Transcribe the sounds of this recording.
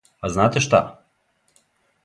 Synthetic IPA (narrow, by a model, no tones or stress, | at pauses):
aznat̪eʃt̪a̰